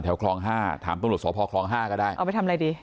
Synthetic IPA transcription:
t̪ʰɛ˩˦wkʰlɔː˧ŋɦaː˥˩t̪ʰa̰ː˩˦mt̪a˧ɾu˨˩t̪̚sʰɔː˨˦pʰɔː˧kʰlɔː˧ŋɦaː˥˩kɔː˥˩daː˥˩jʔpjt̪ʰm˧ɾa˧jdiː˧

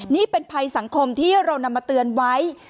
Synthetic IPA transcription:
niː˥˩pe˧npʰa˧jsa˩˦ŋkʰo˧mt̪ʰiː˥˩ɾa˧wna˧mːaː˧t̪ɯ˧ənwa˦˥j

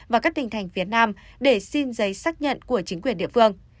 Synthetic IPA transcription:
vaː˨˩kaː˦˥k̚t̪ï˧ŋ̟t̪ʰa˨˩jŋ̟fi˨˦ət̚naː˧mɗe˧˩si˧nzə˨˦jsaː˦˥k̚ɲə̰˧˨nku˧˩ət͡ɕï˨˦ŋ̟kwi˨˩ənɗḭ˧˨əfɨ˧əŋ

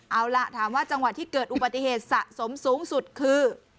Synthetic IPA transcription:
ʔa˧˩wla˧˥ʔt̪ʰaː˩˦mwaː˥˩t͡ɕa˧ŋwa˨˩t̪ʰːiː˥˩kɤː˨˩t̪̚ʔu˨˩ba˨t̪ːi˧˨heː˨˩t̪̚sa˨˩ʔso˩˦msuː˨˩˦ŋsu˨˩t̪̚kʰɯː˧

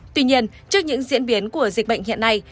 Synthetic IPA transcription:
t̪wi˧ɲi˧ən | t͡ɕɨ˦˥ək̚ɲɨ̰˧˥ŋzḭ˧˥ənɓi˨˦ənku˧˩əzi˨˩k̟̚ɓə̰˧˨jŋ̟hḭ˧˨ənːa˧j

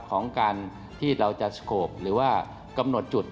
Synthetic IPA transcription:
kʰɔː˩˦ŋkaː˧n | t̪ʰiː˥˩ɾa˧wt͡ɕa˨˩skʰoː˨˩p̚ɾɯː˩˦waː˥˩ | ka˧mno˨˩t̪̚t͡ɕu˨˩t̪̚

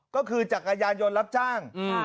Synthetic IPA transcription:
kɔː˥˩kʰɯː˧t͡ɕaː˨˩k̚ːa˧jaː˧njo˧nɾa˦˥p̚t͡ɕaː˥˩ŋ˧

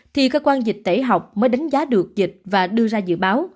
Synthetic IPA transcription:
t̪ʰi˨˩kəː˧kwaː˧nzi˨˩k̟̚t̪e˧˩ɦa˨˩wk͡p̚məː˨˦jɗa˨˦jŋ̟zaː˨˦ɗɨ˨˩ək̚zi˨˩k̚vaː˨˩ɗɨ˧əzaː˧zɨ̰˧˨ɓaː˨˦w

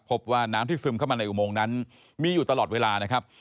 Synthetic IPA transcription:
pʰo˦˥p̚waː˥˩naː˦˥mt̪ʰiː˥˩sɯː˧mkʰa˥˩maː˧na˧jʔu˨˩moː˧ŋna˦˥n | miː˧juː˨˩t̪a˧lɔː˨˩t̪̚weː˧laː˧na˦˥kʰa˦˥p̚

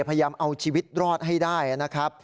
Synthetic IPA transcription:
pʰa˧jajaː˧mʔa˧wt͡ɕʰiː˧wi˦˥t̪̚ɾɔː˥˩t̪̚ɦa˥˩jdaː˥˩ja˩na˦˥kʰɾa˦˥p̚

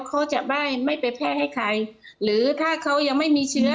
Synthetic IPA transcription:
kʰa˦˥wt͡ɕa˨˩ʔbaː˥˩jma˥˩jpa˧npʰɛː˥˩ha˥˩jkʰa˧j | ɾɯː˩˦t̪ʰaː˥˩kʰa˦˥wja˧ŋma˥˩jmiː˧t͡ɕʰɯ˦˥ɐ

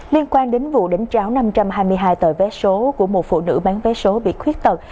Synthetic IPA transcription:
li˧ənkwaː˧nɗe˨˦nvṵ˧˨ɗe˨˦nt͡ɕaː˨˦wna˧mt͡ɕa˧mɦaː˧jmɨ˧əjɦaː˧jt̪əː˧˩jvɛ˨˦so˨˦ku˧˩əmo˨˩t̚fṵ˧˨nɨ̰˧˥˩ɓaː˨˦nvɛ˨˦so˨˦ɓḭ˧˨xwi˦˥ət̚t̪ə˨˩

